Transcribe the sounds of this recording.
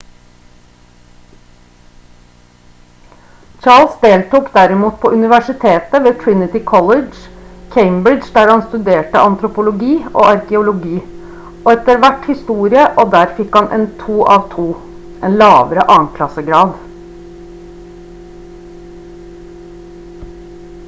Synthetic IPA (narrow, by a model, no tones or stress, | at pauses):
t͡ʃɑːɭsd̪eːlt̪uːkd̪æɾɪmuːt̪̚pʰoːʔʉnɪʋæʂɪt̪ʰeːt̪əʋeːt̪ʰɹɪnɪt̪ɪkʰɔləd͡ʒkʰeɪmbɾɪd͡ʒd̪æːɾhɑnst̪ʉd̪eːʈə̰ʔɑnt̪ɾʊpʊlʊɡiːʔo̰ːʔɑɾkɛʊlʊɡiː | ɔɛt̪əɾʋæʈhɪst̪uːɾɪəʔoːd̪æːɾfɪkhɑnʔɛ̰nt̪ʰuːʔɑːʋt̪ʰuː | ʔɛnlɑːʋəɾəʔɑːnkʰlɑsəɡɾɑːd̪